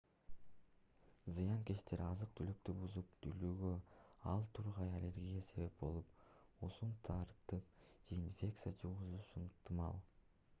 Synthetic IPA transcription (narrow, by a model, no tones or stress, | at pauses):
zɯjɑŋke̞ʃt̪ʰe̞ɾɑzɯq̚t̪ʰylyk̚t̪ybuzup̚t̪ʰylyːɡøɑlˠt̪ʰuɾʁɑjalʲe̞ɾɡʲijase̞βe̞p̚bo̞̰lˠup̚ | usunt̪ʰɑɾt̪ɯp̚ | d͡ʒe̞infʲe̞kt̪sɨijat͡ʃʰuʁuzuʃɯɴt̪ɯmɑ̰lˠ